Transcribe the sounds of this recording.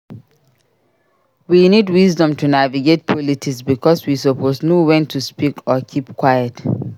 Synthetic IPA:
winidwisdɔ̃mtʰunaviɡet̚pʰɔlitʰiksbikʰɔswisɔpʰosnowɛ̃ntʰuspikʰɔkʰipkʰwajət

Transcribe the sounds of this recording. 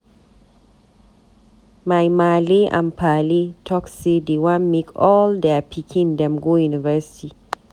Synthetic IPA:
majmaliʔã̰npʰalitʰɔksedewãnmekʰɔldɛpʰikʰĩndɛ̃mɡojunivɛsi̥ti

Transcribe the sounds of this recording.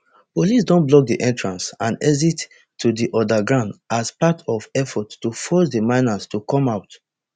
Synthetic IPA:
polisdõnblɔk̚diʔɛ̃ntɹãnsãndɛzit | tʰːudiʔɔdaɡɹãʊ̃ndaspatʰɔvɛfɔttːufɔsdəmãɪnastukɔ̃maʊt

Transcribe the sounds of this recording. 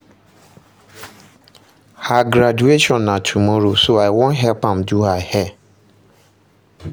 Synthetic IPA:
haɡɾad͡ʒueʃɔ̃nːãtʰumɔɾosoaɪwɔ̃nɦɛlpãmduhahɛ

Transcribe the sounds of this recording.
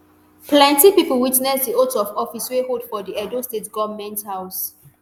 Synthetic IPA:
plɛ̃ntipipəlwitnɛsdiotɔvɔfiswehodfɔdiɛdostetɡɔvmɛ̃nthaʊs

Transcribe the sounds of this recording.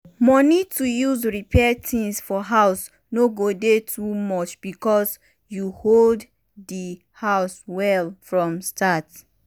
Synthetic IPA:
mɔnitujuzɹipʰɛtʰĩsfɔɦaʊs | noɡodetʰumɔt͡ʃb̥ikɔs | juhold | di | haʊswɛlfɹɔ̃mstʰat

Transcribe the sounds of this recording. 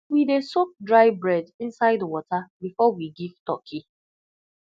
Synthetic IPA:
widesok̚dɹaɪbɹɛdĩnsaɪdwɔtabifɔwiɡiv̥tɔkʰi

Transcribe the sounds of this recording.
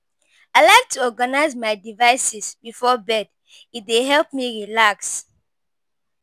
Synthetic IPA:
aɪlaɪk̚tʰuɔɡanaɪzmaɪdivaɪsisbifɔbɛd | it̚deɦɛlp̚miɹilaks

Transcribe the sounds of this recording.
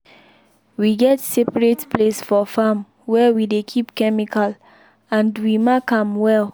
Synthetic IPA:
wiɡɛtsepɹetplesfɔfam | wɛwidekʰipkɛmikʰal | ãndwimakãmwɛl

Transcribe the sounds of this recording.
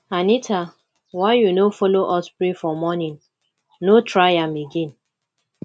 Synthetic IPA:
anitʰa | waɪjunofoloʔɔspɹifɔmɔnĩn | notʰɹajãmeɡẽn

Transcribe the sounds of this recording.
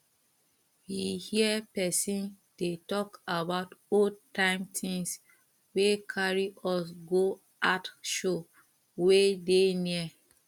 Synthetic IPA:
wihiəpɛsĩn | d̥etɔkabaʊtotʰãɪ̃mtʰĩŋs | wekʰaɹiʔɔsɡo | ʔatʃo | wedeniə

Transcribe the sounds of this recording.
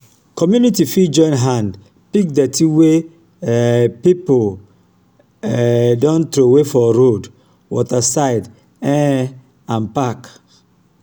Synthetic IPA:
kɔmjunitifid͡ʒɔ̃j̃nɦãnd | pik̚dɛtʰiwe | pipol | dɔ̃nt̪ɾowefɔɾod | wɔtasaɪd | ɛ̃ | ãnpak

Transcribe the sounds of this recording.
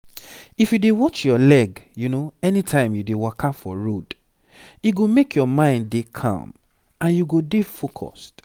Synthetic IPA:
ifjudewɔt͡ʃjɔlɛɡjunoɛnitʰãɪ̃mjudewɔkʰafɔ̰ɹod | iɡomekʰjɔmãɪ̃nːekʰã̰m | ãnjuɡodefokʰɔ̰st

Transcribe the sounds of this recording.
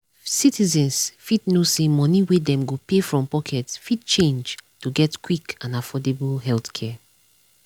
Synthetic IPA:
sitizɛ̃nsfitnosemɔniwedɛ̃mɡopefɹɔ̃mpɔkʰɛtfit̚t͡ʃẽnd͡ʒtuɡɛtkwikãnafɔdebulɦɛlθkʰɛ

